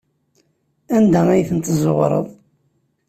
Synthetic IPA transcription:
ænd̪ææjθənt̪zˤoʁɾˤə̰ðˤ

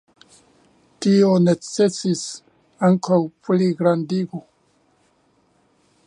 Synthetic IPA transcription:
tionet͡sesis | aŋkawpliɡɾandiɡo

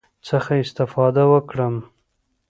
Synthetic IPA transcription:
t͡səxaɪst̪ɪfɑd̪awəkɽəm

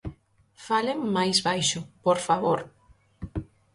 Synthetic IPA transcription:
faleŋmajzβajʃʊpoɾfaβoɾ

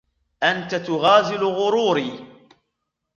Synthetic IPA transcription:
ʔant̪at̪ʊɣaːzɪlɣʊɾuːɾiː

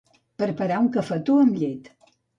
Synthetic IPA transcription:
pəɾpəɾauŋkəfət̪uəmʎet̪

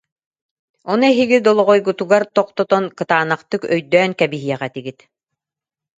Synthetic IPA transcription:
ɔnuɛɦiɡid̪ɔlˠɔʁɔjɡut̪uɡaɾt̪ɔq̚t̪ɔt̪ɔnkɯt̪aːnaqt̪ɯkœjd̪œːnkæbiɦiɛʁæt̪iɡit̪

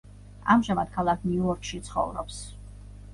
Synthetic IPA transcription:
a̰mʒamad̪̥kʰalˠakʰniuɔɾkʰʃit̪sʰχɔ̰vɾɔ̰ps

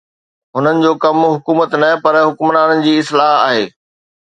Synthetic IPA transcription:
ɦʊnənɪ̆d͡ʑoːkɐmɦʊkuːmət̪nɐɦpɐɾɦʊkmɾaːnənɪ̆d͡ʑiːɪslaːɦa̰ːɦeː

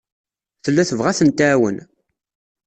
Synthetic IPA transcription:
θəlːæθəvʁæθənt̪æːwə̰n

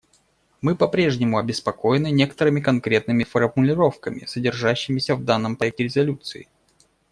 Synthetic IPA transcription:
mɨpɐpɾʲe̞ʐnʲɪmʊɐbʲɪspɐko̞jɪnɨnʲe̞kə̥t̪əɾɨmʲɪkɐnkɾʲe̞t̪̚nɨmʲɪfərmʊlʲɪɾo̞fkəmʲɪ̰sədʲɪrʐaɕːɪmʲɪsʲəvd̪anːəmpɐɛk̚tʲɪɾʲɪzɐlʲut̪sɨɪ̰

